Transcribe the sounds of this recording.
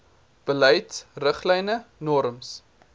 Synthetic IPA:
b̥əlɛjtsrəχlɛjnənɔɾəms

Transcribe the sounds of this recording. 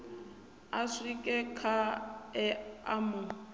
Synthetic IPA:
aʂikʼɛkʰaɛa̰mʊ

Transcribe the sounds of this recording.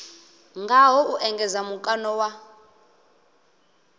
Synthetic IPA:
ŋɡaɦɔuʔɛŋɡɛzamukʼanɔwa

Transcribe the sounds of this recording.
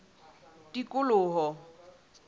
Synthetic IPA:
tikʼʊlʊːɦɔ

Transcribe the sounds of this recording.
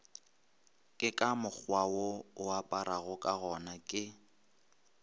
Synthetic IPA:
kʼɪkʼamʊk͡xwawoʊapʼaɾʔaɣʊkʼaɣɔnakʼɪ

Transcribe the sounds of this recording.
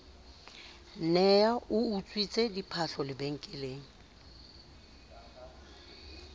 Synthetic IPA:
nɛaʊut͡sʼwit͡sʼedipʰaɬɔlɪbeŋ̩kʼɪleːŋ̩

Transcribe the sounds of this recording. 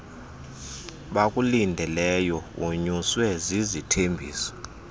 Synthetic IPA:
ɓakʼulindʱɛlɛjɔuɲuswɛzizitʰembʱḭːsɔ̥

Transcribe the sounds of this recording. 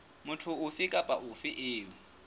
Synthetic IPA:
mʊtʰʊʊfɪkʼapʼaʔʊfɪʔɪːʊ

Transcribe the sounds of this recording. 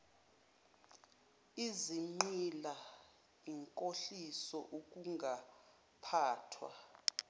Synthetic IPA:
iziŋ͡ǃila | iŋkʼoɬisɔʔuk̬ʼuŋɡʱa | pʰaːtʰwa̰

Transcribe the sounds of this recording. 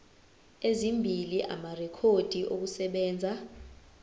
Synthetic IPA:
ezimbʱiliʔa̰marɛkʰod̥ʱiʔok̬usɛɓɛːnd͡zʱa

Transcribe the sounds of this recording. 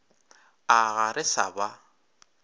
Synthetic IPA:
aɣaɾɪsa̰ba

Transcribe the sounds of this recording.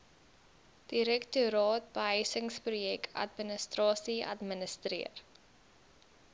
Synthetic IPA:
d̥iɾɛktuɾɑːt̚b̥əɦəjsəŋsprujɛkɐ̰t̚mənəstrɑːsiɐ̰tmənəstriər

